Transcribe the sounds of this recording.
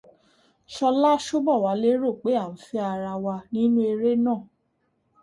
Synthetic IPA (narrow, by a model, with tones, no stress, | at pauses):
ʃɔ˧la˦ʃo˦bɔ˦˨wa˨˧˦le˦ɾo˦˨k͡pe˨˦a˦˨n̩˨˦fi˧˦a˧ɾa˧wa˧nĩ˦nũ˦e˧ɾe˦nãː˦˨